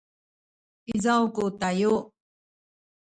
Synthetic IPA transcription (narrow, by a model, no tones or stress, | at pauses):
izawkutaju